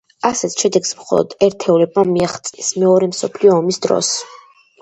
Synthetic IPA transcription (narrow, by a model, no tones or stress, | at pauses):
asɛt̪ʰʃɛd̪ɛɡsmχɔ̰lˠɔ̰d̪̥ɛɾt̪ʰɛulɛbamiaχt̪sʼismɛɔɾɛmsɔpʰliɔːmisd̪ɾɔ̰s